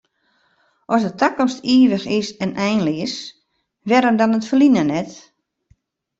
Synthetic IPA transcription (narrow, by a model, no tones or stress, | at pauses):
ʔɔsdətʰakɔmstiːəʋəxɪsɛnʔɛjnlis | ʋɛɾəmdɔnətfərlinənɛt